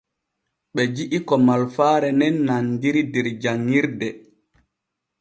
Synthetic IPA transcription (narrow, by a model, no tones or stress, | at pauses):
ɓɛd͡ʒiʔikɔmalfaːɾɛnɛnːandiɾidɛɾd͡ʒaŋːiɾdɛ